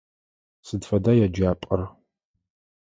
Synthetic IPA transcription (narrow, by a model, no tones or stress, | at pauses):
sɨdfɐdaːjad͡ʒaːpʼɐr